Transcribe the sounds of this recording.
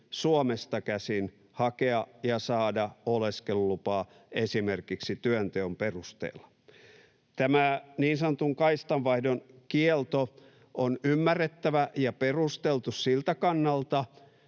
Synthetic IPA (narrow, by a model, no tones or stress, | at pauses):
suomest̪ɑkæsin | hɑkeɑjɑsɑːdɑoleskelulupɑː | esimerkiksit̪yønt̪eomperust̪ḛːlːɑ̥ | t̪æmæniːnsɑnŏt̪uŋkɑist̪ɑʋʋɑihdonkielt̪o | onymːærːet̪ːæʋæjɑperust̪elt̪ussilt̪ækɑnːɑlt̪ɑ